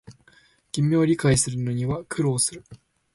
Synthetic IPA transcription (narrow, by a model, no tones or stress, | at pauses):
ɡ̥ʲimʲio̞ɾʲikaisɨɾɯ̟no̞ɲ̟iβakʰɯ̟ɾo̞ːsɨɾɯ̟